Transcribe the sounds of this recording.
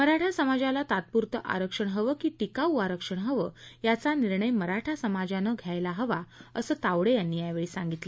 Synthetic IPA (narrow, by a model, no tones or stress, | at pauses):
məɾaʈʰasəmad͡ʑalat̪at̪̚puɾt̪əʔa̰ɾəkʂəɳɦəʋəkiːʈikauaɾəkʂəɳɦəʋəːjat͡saniɾɳəjməɾaʈʰasəmad͡ʑanəɡʱjajlaɦəʋaəsəːt̪aʋɽejanːiːjaʋeɭiːsaŋɡit̪le